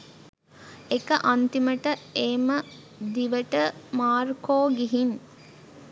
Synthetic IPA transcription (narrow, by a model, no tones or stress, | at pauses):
ekəʔant̪iməʈəeːmə | d̪iʋəʈəmaːrkoːɡiɦin